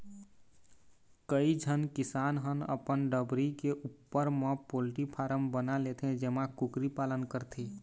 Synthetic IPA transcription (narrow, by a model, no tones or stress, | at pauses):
kəid͡ʒʱənkɪsaːnɦənə̰pənɖəbɾikeʔupːəɾmə̃polʈipʰaːɾəmbənalet̪ʰẽd͡ʒeːmakʊkɾipaːlənkəɾt̪ʰe